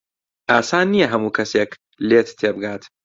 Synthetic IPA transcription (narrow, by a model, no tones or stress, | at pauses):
ʔaːsaːnːijɐɦɐmuːkʰɐseːk | leːt̪t̪ʰeːbɨɡaːt̪